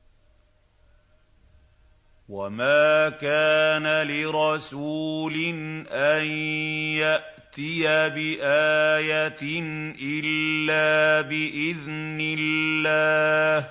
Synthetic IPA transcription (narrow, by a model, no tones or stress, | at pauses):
wamaːkaːnalɪɾˤɑsuːlɪnʔanjaʔ | t̪ɪjabɪʔaːjat̪ɪnʔɪlːaːbɪʔɪðnɪlːaːh